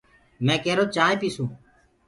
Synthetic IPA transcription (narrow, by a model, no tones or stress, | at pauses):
mɛ̃ːkɛːɾoːt͡ʃãːẽpiːsũː